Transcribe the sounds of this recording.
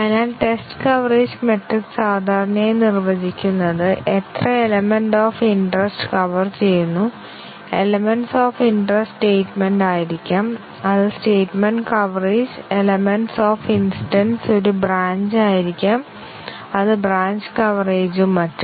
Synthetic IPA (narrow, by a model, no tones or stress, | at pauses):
ɐðinaːlʈe̞sʈɨkɐʋɐreːd͡ʑme̞ʈriksaːd̪ʱaːɾɐnɐmenirʋɐd͡ʑikʲːunːɐðɨʔet̪rɐe̞lɐmenɖoːfiɳɖrɐsʈɨ̥kɐʋɐrt͡ɕe̞jːunːu | e̞lɐmenɖsoːfiɳɖrɐsʈeːʈmenɖaːjiɾikʲːaːm | ɐðɨsʈeːʈmeɳɖkɐʋɐreːd͡ʑe̞lɐmeɳɖsoːfinsiʈɐnso̞ɾubraːɲd͡ʑaːjiɾikʲːaːm | ɐðɨbraːɲd͡ʑɨkɐʋɐreːd͡ʑumːɐtːum